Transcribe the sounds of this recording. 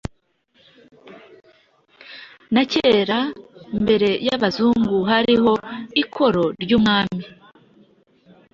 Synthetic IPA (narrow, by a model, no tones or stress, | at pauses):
naceːɾambe̞ɾe̞jaβazuːŋɡuɦaɾiho̞ikʰo̞ɾo̞ɾɟuːmŋaːmi